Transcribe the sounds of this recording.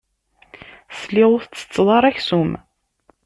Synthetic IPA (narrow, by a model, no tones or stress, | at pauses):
sliʁʊθt͡sːə̥t͡sːðˤɑɾˤæçsum